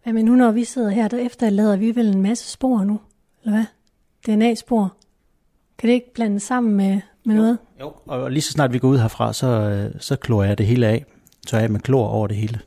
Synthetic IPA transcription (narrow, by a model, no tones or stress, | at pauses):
jæmenːunɒʋise̝ð̞̰ˠɐɦeɐ̰d̥æefd̥ɐlɛːð̞ˠɐʋiʋele̝nmæsə̥sb̥o̝̰ɐnu | elɐʋæ | d̥e̝enɛ̰ːsb̥o̝̰ɐ | kʰæɾ̥ee̝ɡ̥̚b̥læn̰d̥əsɑ̈m̰n̩me | menɔ̽ːð̩ˠjoɒ̽lisɒ̥snɑ̈ːd̥ʋiɡ̥ɒuð̰ˠɦæɐfʁɑ̈sɒ̽sɒ̽kʰlo̝ːɐjɑ̈d̥e̝ɦe̝ːləɛ̰ː | t͡sʰøjɛ̰mekʰlo̝̰ːɐʔɒʊɐd̥e̝ɦe̝ːlə